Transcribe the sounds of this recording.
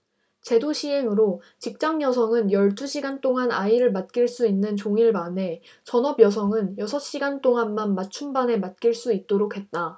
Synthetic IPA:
t͡ɕe̞doɕʰiɦe̞ŋɯɾo | t͡ɕik̚t͡ɕ͈aŋjʌsʰʌŋɯnjʌɭt͈ʰuɕʰiɡant͈ʰoŋanaiɾɯɭmat̚k͈iɭs͈uinːɯnt͡ɕoŋiɭmane̞ | t͡ɕʌnʌbjʌsʰʌŋɯnjʌsʰʌɕ͈iɡant͈ʰoŋanmanmat͡ɕʰumbane̞mat̚k͈iɭs͈uit̚t͈oɾokʰe̞t̚t͈a

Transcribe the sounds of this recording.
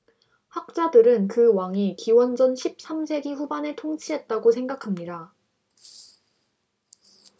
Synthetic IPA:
hak̚t͡ɕ͈adɯɾɯnkɯwaŋikiwʌnd͡ʑʌnɕʰip̚s͈amsʰe̞ɡiɸubaneɭtʰoŋt͡ɕʰiɦe̞t̚t͈aɡosʰe̞ŋɡakʰamɲida

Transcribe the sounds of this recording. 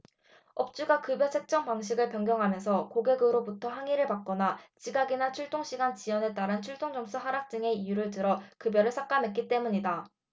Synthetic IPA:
ʌp̚t͡ɕ͈uɡakɯbjʌt͡ɕʰe̞k̚t͡ɕ͈ʌŋpaŋɕʰiɡɯɭpjʌŋɡjʌŋɦamjʌnsʰʌkoɡe̞ɡɯɾobutʰʌɦaŋiɾɯɭpak͈̚ʌnat͡ɕiɡaɡinat͡ɕʰuɭt͈oŋɕʰiɡant͡ɕiʌne̞t͈aɾɯnt͡ɕʰuɭt͈oŋd͡ʑʌms͈ʰuɦaɾak̚t͡ɕ͈ɯŋe̞ijuɾɯɭtɯɾʌkɯbjʌɾɯɭsʰak͈amek͈it͈e̞muɲida

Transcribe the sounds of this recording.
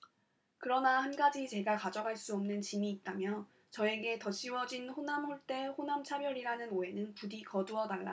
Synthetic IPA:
kɯɾʌnahanɡad͡ʑit͡ɕe̞ɡakad͡ʑʌɡaɭs͈uʌmnɯnt͡ɕimiːt̚t͈amjʌ | t͡ɕʌe̞ɡe̞tʌɕ͈ʰiwʌd͡ʑinɸonamɸoɭt͈e̞ɸonamt͡ɕʰabjʌɾiɾanɯnoe̞nɯnpudikʌduʌdaɭːa̰

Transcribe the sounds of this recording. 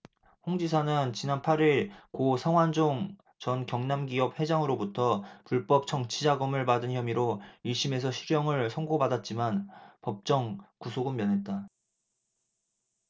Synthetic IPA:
ɸoŋd͡ʑisʰanɯnt͡ɕinanpʰaɾiɭkosʰaŋwand͡ʑoŋ | t͡ɕʌnkjʌŋnamɡiʌp̚he̞d͡ʑaŋɯɾobutʰʌpuɭp͈ʌp̚t͡ɕʰʌŋt͡ɕʰid͡ʑaɡʌmɯɭpadɯnçjʌmiɾoiɭɕ͈ʰime̞s̬ʰʌɕʰid͡ʑjʌŋɯɭsʰʌŋɡobadat̚t͡ɕ͈imanpʌp̚t͡ɕ͈ʌŋkusʰoɡɯmːjʌnɦe̞t̚t͈a

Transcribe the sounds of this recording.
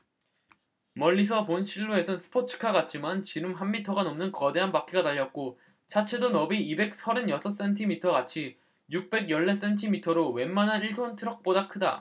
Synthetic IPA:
mʌʎːis̬ʰʌponɕʰiɭːoe̞sʰɯnsʰɯ̥pʰot͡ɕʰɯ̥kʰaɡat̚t͡ɕ͈ʰimant͡ɕiɾɯmɦanːitʰʌɡanomnɯnkʌde̞ɦanpak͈iɡanaʎːʌt̚k͈o | t͡ɕʰat͡ɕʰe̞donʌbiibe̞k̚sʰʌɾɯnjʌsʰʌs͈e̞ntʰimitʰʌɡat͡ɕʰi | juk̚p͈e̞ɡjʌɭːe̞s͈e̞ntʰimitʰʌɾowe̞mmanɦaniɭtʰontʰɯɾʌk̚p͈odakʰɯda̰

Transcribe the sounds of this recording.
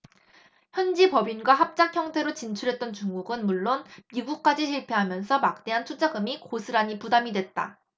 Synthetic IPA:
çjʌnd͡ʑipʌbinɡwaɦap̚t͡ɕ͈ak̚ʰçjʌŋtʰe̞ɾot͡ɕint͡ɕʰuɾɦe̞t̚t͈ʌnt͡ɕuŋɡuɡɯnmuɭːonmiɡuk̚k͈ad͡ʑiɕʰiɭpʰe̞ɦamjʌnsʰʌmak̚t͈e̞ɦantʰut͡ɕ͈aɡɯmikosʰɯɾaɲipudamidwe̞t̚t͈a̰

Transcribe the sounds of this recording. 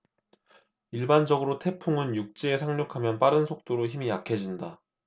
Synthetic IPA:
iɭband͡ʑʌɡɯɾotʰe̞pʰuŋɯnjuk̚t͡ɕ͈iesʰaŋɲokʰamjʌnpaɾɯnsʰok̚t͈oɾoçimijakʰe̞d͡ʑinda

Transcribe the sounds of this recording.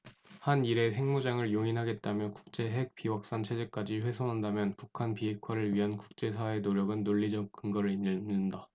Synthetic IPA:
haniɾe̞he̞ŋmud͡ʑaŋɯɭjoŋinɦaɡe̞t̚t͈amjʌku̥k̚t͡ɕ͈e̞ɦe̞k̚p͈iwak̚s͈ant͡ɕʰe̞d͡ʑe̞k͈ad͡ʑiɸwe̞sʰonɦandamjʌnpukʰanpiɦe̞kʰwaɾɯɭɥiɦanku̥k̚t͡ɕ͈e̞sʰae̞noɾjʌɡɯnːoʎːid͡ʑʌk̚k͈ɯŋɡʌɾɯɾinɯnːɯnda

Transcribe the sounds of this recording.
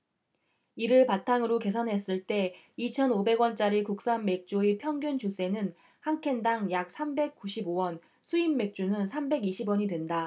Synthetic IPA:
iɾɯɭpatʰaŋɯɾoke̞sʰʌnɦe̞s͈ɯɭt͈e̞ | it͡ɕʰʌnobe̞ɡwʌnt͡ɕ͈aɾikuk̚s͈anme̞k̚t͡ɕ͈uepʰjʌŋɡjunt͡ɕʰus͈e̞nɯn | haŋkʰe̞ndaŋjak̚sʰambe̞k̚k͈uɕʰibowʌn | sʰuimːe̞k̚t͡ɕ͈unɯnsʰambe̞ɡiɕʰibwʌɲidwe̞nda

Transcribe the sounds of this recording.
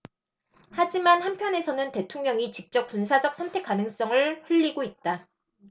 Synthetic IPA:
had͡ʑimanhanpʰjʌne̞sʰʌnɯnte̞tʰoŋɲʌŋit͡ɕik̚t͡ɕ͈ʌp̚k͈unsʰad͡ʑʌk̚sʰʌntʰe̞k͈anɯŋs͈ʌŋɯɭɸɯʎːiɡoit̚t͈a

